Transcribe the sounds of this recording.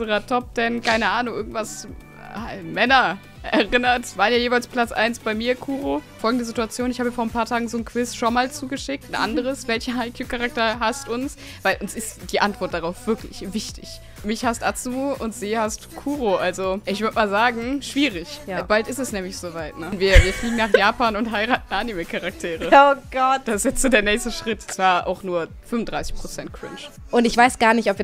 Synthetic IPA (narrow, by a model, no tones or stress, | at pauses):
əʁɐtʰɔp̚tɛnkʰaɪnəʔaːnʊŋʔɪɐɡŋ̩tv̥as | mɛnɐ | ʔɛɐʁɪnɐtv̥aːʁənjaːjeːvaɪlspl̥at͡sʔa̰ɪnsb̥aɪmiːɐkʰuːʁofɔlɡŋ̩dəzɪtuat͡sjoːnɪçhaːbafoːɐnpʰaːɐtʰaːɡŋ̩zoːnkʰv̥ɪsʃonmaːlt͡suːɡəʃɪk̚tn̩ʔa̰ndəʁ̞əsv̥ɛlçɐɦaɪkʰjuːkʰaʁak̚tɐɦastʊns | v̥aɪlʔʊnsɪstd̥iːʔantv̥ɔɐt̚d̥aʁaʊfv̥ɪɐklɪ̰çvɪçtʰɪ̰ç | mɪçhastʔat͡sumuʔʊntz̥iːhastkʰuːʁoʔalzoʔɪçv̥ʏɐtmaːlzaːɡŋ̩ʃv̥iːʁɪçjbaltɪstɛsnɛːmlɪçz̥oːvaɪtnənviːɐviːɐfliːɡŋ̩naːχjaːpaːnʊntɦaɪʁaːtn̩ʔanimekʰaʁak̚tʰeːʁəoɡ̥ɔtd̥asɪsjɛt͡stz̥oːdeːɐnɛːçstəʃʁ̥ɪtt͡sv̥aːɐʔa̰ʊxnuːɐ | fʏmʊndʁaɪsɪçpʁ̥ot͡sɛnt̚kʁ̥ɪ̰nt͡ʃ | ʔʊntɪçv̥aɪsɡ̥aːɐnɪçtɔpviːɐ